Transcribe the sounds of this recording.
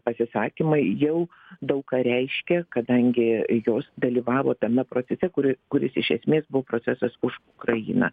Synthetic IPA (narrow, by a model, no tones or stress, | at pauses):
pɐsʲɪsɑːkʲimɐɪjɛʊ | d̪ɐʊkkɑːɾʲɛɪʃʲkʲɛkɐd̪ɐŋʲɡʲɪjoːsd̪ɐlʲiːʋɑːʋoːt̪ɐmʲɛpɾoːt͡s̪ʲɛsʲɛkʊɾʲɪkʊɾʲɪsɪʃʲɛsʲmʲeːsbʊʋoːpɾoːt͡sʲæsɐsʊʃʊkɾɐjḭːnɐ̰